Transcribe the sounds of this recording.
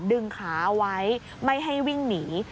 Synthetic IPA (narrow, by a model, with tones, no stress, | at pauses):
ndɯ˧ŋkʰaː˩˦˧wa˦˥j | ma˥˩jɦa˥˩jwi˥˩ŋniː˩˦